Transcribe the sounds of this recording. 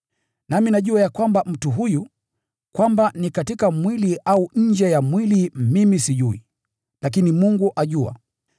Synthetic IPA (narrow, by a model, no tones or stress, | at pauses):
naminaʄuajakwambam̩tuɦuju | kwambanikatikamwiliʔauɲ̩d͡ʒɛjamwilimimisiʄui | lak̬inimuŋɡuʔaʄua̰